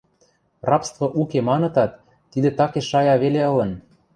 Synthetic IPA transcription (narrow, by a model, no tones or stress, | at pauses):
rɑpst̪vŏʔukemɑnɤ̆t̪ɑt̪ː | id̪et̪ɑkeʃɑjɑβeleɤ̆lɤ̆n